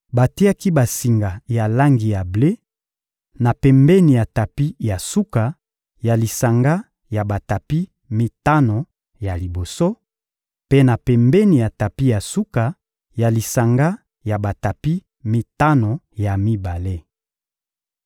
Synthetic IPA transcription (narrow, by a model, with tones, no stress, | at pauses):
ba˨ti˦a˦ki˦ba˨si˨ŋɡa˨ja˨la˦ŋɡi˨ja˨ble˦ | na˨pɛ˨mbɛ˦ni˨ja˨ta˨pi˦ja˨su˦ka˨ | ja˨li˨sa˨ŋɡa˦ | ja˨ba˨ta˨pi˦ | mi˦ta˦no˨ | ja˨li˨bo˨so˦ | pe˦na˨pɛ˨mbɛ˦ni˨ja˨ta˨pi˦ja˨su˦ka˨ | ja˨li˨sa˨ŋɡa˦ | ja˨ba˨ta˨pi˦ | mi˦ta˦no˨ja˨mi˦ba˨le˦